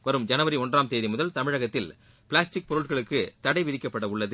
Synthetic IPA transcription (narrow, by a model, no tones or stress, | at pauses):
ʋɐɾɯmd͡ʒɐnɐʋɐɾiɔndraːmt̪eːðimʊðɐlt̪ɐmɪɻɐɣɐt̪ːɪl | pɪlaːsʈɪk̚pɔɾɯʈ̚ɣɐɭɯkːɯt̪ɐɽɐɪʋɪðɪkːɐpːɐɽɐʊɭːɐðɯ